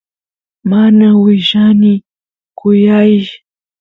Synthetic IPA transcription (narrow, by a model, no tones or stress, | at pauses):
manawɪʃanɪ | kʊjajʃ